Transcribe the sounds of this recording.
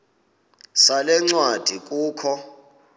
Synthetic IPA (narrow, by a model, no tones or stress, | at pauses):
salɛŋ͡ǀwad̥ʱik̬ʼuːkʰɔ